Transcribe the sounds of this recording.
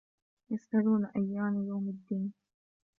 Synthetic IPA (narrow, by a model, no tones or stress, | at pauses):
jasʔaɾuːnaʔajːaːmjawmad̪ːiːn